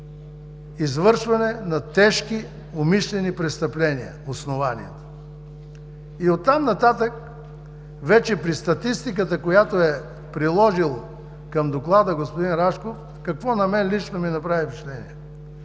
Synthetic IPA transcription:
izvɤɾʃvɐnɛnɐt̪ɛʃki | omiʃlɛnipɾɛst̪ɐplɛniə̰osnovanḭɛt̪o̥ | iot̪ːamnɐt̪at̪ək̚ | vɛt͡ʃɛpɾist̪ɐt̪ist̪ik̬ət̪əkojat̪oɛ | pɾilˠɔʒilˠə | kɐmd̪oklˠad̪əɡospod̪inɾaʃkof | kɐkvɔnɐmɛnlit͡ʃnominɐpɾavipiʃlɛnḭɛ

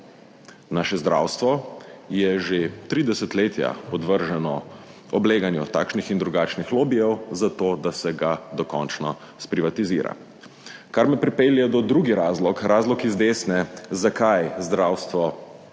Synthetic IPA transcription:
naːʃɛzd̪ɾa̰ːwst̪ʋɔjɛʒet̪ɾiːd̪ɛsɛt̪leːt̪ja̰pɔd̪ʋəɾʒɛnɔ | ɔbleːɡanjut̪a̰ːkʃnixind̪ɾuɡaːt͡ʃnixloːbijɛwzat̪oːd̪asɛɡad̪ɔkɔ̰nt͡ʃnɔ | spɾiʋat̪izḭːɾa̰ | kaɾmɛpɾipeːljɛd̪ɔd̪ɾuːɡiɾaːzlɔkɾaːzlɔkizd̪eːsnɛzakajzd̪ɾaːwst̪ʋɔ

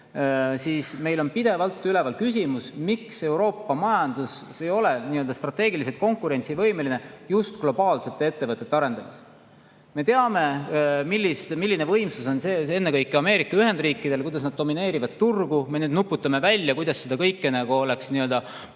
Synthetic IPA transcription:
sisme̞jlo̞npid̪e̞vɑlt̪ˑːyle̞vɑlkys̬ʲimusmikse̞uwɾo̞ːpːɑmɑjɑnd̪̥us | e̞jo̞le̞niːø̞ld̪ɑst̪rɑt̪ːe̞ːɡilis̬et̪̚ko̞ŋkuɾe̞nt̪sivɤ̞jme̞line̞just̪ɡ̥lo̞b̥ɑːlse̞t̪ːˑe̞e̞t̪ːe̞vɤt̪ːˑet̪ːeɑɾe̞nd̪ɑmis | me̞t̪eɑme̞milːist̪milːinevɤ̞jmsuso̞nse̞ːe̞nːekɤjkːˑeɑme̞ːɾikːˑɑyɦe̞nd̪riːkːˑid̪e̞lkujd̪ɑsnɑd̪̚ːo̞mine̞ːɾivɑd̪̥̚t̪urɡ̥ume̞nyːd̪nupːˑut̪ːˑɑme̞vælʲːjɑkujd̪̥ɑsːed̪ɑkɤjkːenæɡuo̞le̞ksniø̞ld̪ɑ

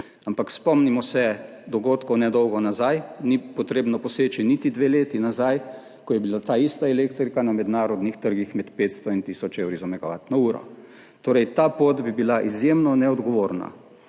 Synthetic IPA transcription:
ampakspɔmnimɔsɛ | d̪ɔɡoːt̪kɔwnɛd̪ɔwɡɔnazajnipɔt̪ɾeːbnɔpɔseːt͡ʃinit̪id̪ʋeːleːt̪inazaj | kɔjɛbilat̪aːist̪aɛleːkt̪ɾikanamɛd̪naːɾɔd̪nixt̪əɾɡixmɛt̪peːt̪st̪ɔint̪iːsɔt͡ʃewɾizamɛɡaʋa̰ːt̪nɔuːɾɔ̰ | t̪oːɾɛjt̪aːpoːt̪bibilaʔizjeːmnɔnɛɔd̪ɡɔʋoːɾna̰

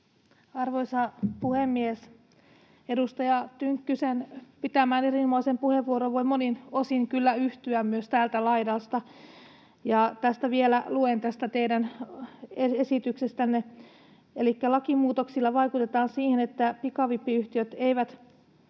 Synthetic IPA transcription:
ɑrʋoisɑpuhemːies | edust̪ɑjɑt̪yŋkːysenpit̪æmæːnerinomɑisempuheʋːuoɾoʋʋoimoninosiŋkylːæyht̪yæmmyøst̪æːlt̪ælɑidɑlst̪ɑ | jɑt̪æst̪æʋielæluent̪æst̪æt̪eidæn | eesit̪yksest̪ænːe | elikːælɑkimuːt̪oksilːɑʋɑikut̪et̪ɑːnsiːhenet̪ːæpikɑʋipːiyht̪iøt̪eiʋæt̪

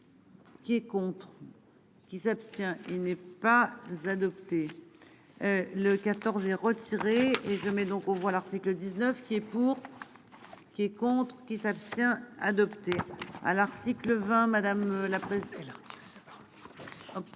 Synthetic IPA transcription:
kʲiɛkɔ̃t̪χ | kʲisapst̪jɛ̃ʔilnɛpazad̪ɔpt̪e | ləkat̪ɔʁzɛʁət̪ʰiʁeeʒəmɛd̪ɔ̃kɑ̃vwalaʁt̪ikləd̪iznœfkʲiɛpuʁ | kʲiɛkɔ̃t̪χkʲisapst̪jɛ̃a̰d̪ɔpt̪ea̰laʁt̪ikləvɛ̃mad̪amlapχɛsɛlaʁt̪i̥

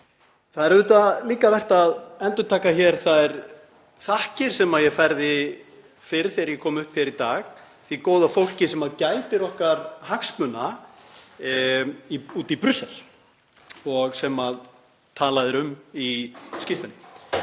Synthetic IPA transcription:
θaðɛɾʏt̪aliːkavɛr̥t̪aðɛnt̪ʏt̪ʰaːkaçɛɾ̥θaðɛɾ | θahcɪɾ̥sɛmaðjɛfajɾðɪ | fɪɾθɪɾjɛkʰɔːmʏhpçɛɾit̪aːɣ | θikoːwðafowl̥cɪsɛmaðcaːjt̪ɪɾɔhkaɾhaksmʏnːa | iuːt̪ipɾʏsɛl̥ | ɔɣsɛmað | t̪ʰaːlaðɪɾʏmiscɪft̪anɪ

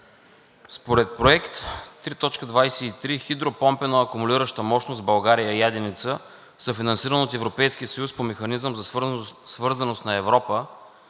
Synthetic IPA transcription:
spoɾɛt̪̚pɾoɛkt̪t̪ːɾit̪ɔt͡ʃkəd̪vajsɛit̪ɾixid̪ɾopɔmpɛnoɐkʊmʊliɾəʃt̪əmɔʃnosbɐlˠɡaɾijəijad̪init̪sə | sɐfinɐnsiɾənot̪ɛvɾopɛjskiəsəjuspomɛxɐnizəmzɐsvɤɾzɐnost̪nɐɛvɾɔpə

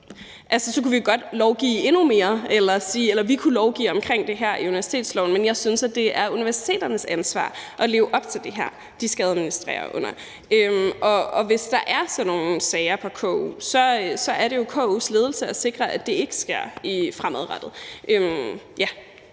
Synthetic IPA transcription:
ʔælsəsɒkʰuʋiɡ̥ɒ̽d̥lɒʊɡ̥ḭːe̝nume̝ːɐelɐsiːelɐʋikʰulɒʊɡ̥ḭːɒ̽mkʰʁeŋ̰d̥e̝ɦæɐ̰ʔiuniʋæɐsi̥t͡sʰe̝̰ːdslɒʊn̩menjɑ̈ɪsynsæd̥e̝æɐuniʋæɐsi̥t͡sʰe̝̰ːd̥ɐnəsænsʋɑ̰̈ːʔɒ̽le̝ːʊʔɒ̽b̥̚t͡sʰe̝ld̥e̝ɦæɐ̰ | d̥isɡ̥ɛðˠɐminisd̥ʁḛːɐ̰ʔɔ̰n̰ɐ | ʔømʔɒ̽ɒ̽ʋe̝sd̥ɑ̈ʔæɐsɒ̽no̝ːn̩sɛɪɐpʰɒ̽kʰɔ̰ṵsɒ̽sɒ̽ʔæɐɾe̝jo̝kʰɔ̰uːsle̝ːð̞ˠl̩səæse̝ɡ̥ʁɐʔæd̥e̝e̝ɡ̥ə̥sɡ̥e̝ɐ̰ifʁamɛðˠʁɑd̥ð̩ˠʔøm | jæ

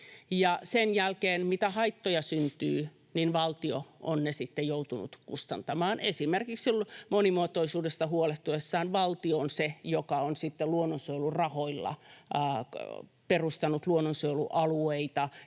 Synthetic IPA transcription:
jɑsenjælkeːnmit̪æhɑit̪ːojɑsynt̪yː | ninʋɑlt̪ioʔo̰nnesit̪ːejout̪unṵt̪kust̪ɑnt̪ɑmɑːnesimerkiksilmonimuot̪oisuːdest̪ɑɦuoleht̪uesːɑːnʋɑlt̪ionsejokɑonsit̪ːeluonːonsoilurɑhoilːɑ̰ | perust̪ɑnut̪luonːonsoilṵʔɑlueit̪ɑ

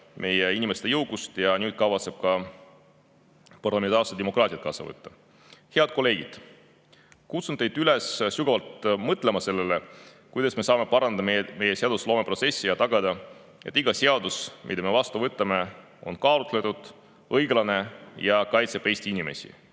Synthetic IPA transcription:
mʔe̞jeinʲime̞st̪ejɤwɡ̥ust̪jɑnyːd̪̥̚kɑvɑt̪se̞b̥̚kɑ | pɑrlɑment̪ɑːrsed̪emo̞kˑrɑːt̪ʲiɑt̪kɑːsɑ̰vɤ̰t̪ːɑ | he̞ɑd̪̥̚ko̞lːe̞ːɡ̥id̪̥ | kut̪sunt̪ːejd̪̥ylessuɡ̥ɑvɑlt̪mɤt̪ːˑle̞mɑse̞lːele | kujd̪ɑsme̞sɑːme̞pɑɾɑnd̪ɑmejme̞je̞seɑd̪̥uslo̞ːme̞pro̞t̪se̞sːijɑt̪ɑɡ̥ɑd̪̥ɑ | e̞t̪ːˑiɡ̥ɑseɑd̪usmḭd̪ɑme̞vɑst̪uvɤt̪ːˑɑme̞ | o̞̰nkɑːlut̪ːˑle̞t̪ːˑud̪̥ | ɤjɡlɑne̞jɑkɑjt̪seb̥e̞jst̪iinime̞̰sʲḭ

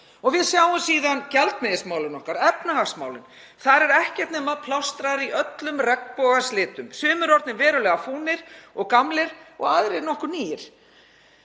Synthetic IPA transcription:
ɔɣvɪðsjaːwʏmsiːðancɛlt̪mɪðɪsmaːwlɪnɔhkaɾɛpnahasmaːwlɪn | θaɾɛɾɛhcɛɾ̥t̪nɛːmaðpʰlawst̪ɾaɾiœt̪lʏmrɛk̚npɔːɣaslɪːt̪ʏmsʏːmʏɾɔɾt̪nɪvɛːɾʏlɛːɣafuːnɪɾ̥ɔɣkamlɪɾ̥ɔ̰ɣaðɾɪnɔhkʏɾniːjɪɾ̥

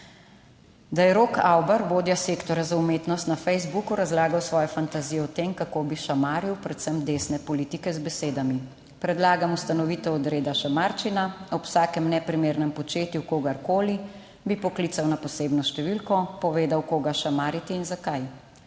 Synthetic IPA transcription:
d̪ajɛɾoːkawbaɾboːd̪jaseːkt̪ɔɾjazaumeːt̪nɔst̪nafɛjzbukuɾazlaːɡawsʋɔːjɔfant̪azijɔɔt̪eːmkakoːbiʃamaːɾiwpɾɛt̪səmd̪eːsnɛpɔliːt̪ikɛzbɛseːd̪ami | pɾɛd̪laːɡamust̪anɔʋit̪ɛɔd̪ɾeːd̪aʃamaɾt͡ʃinaɔpsaːkɛmnɛpɾimeːɾnɛmpɔt͡ʃeːt̪jukoːɡaɾkoːli | bipɔklit̪sawnapɔseːbnɔʃt̪ɛʋilkɔpɔʋeːd̪awkoːɡaʃamaːɾit̪iːnzakaj

